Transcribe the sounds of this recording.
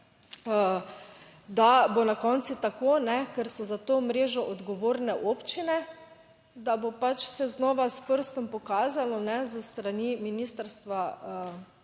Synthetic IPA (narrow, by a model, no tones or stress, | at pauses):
ə | d̪abonakɔnt̪sit̪akoːnɛkɛɾsɔzat̪oːmɾeːʒɔʔɔd̪ɡoʋoːɾnɛʔoːpt͡ʃinɛ | d̪abopat͡ʃsɛznɔːʋaspəɾst̪ɔmpɔkaːzalɔnɛzəst̪ɾaniminiːst̪əɾst̪ʋaə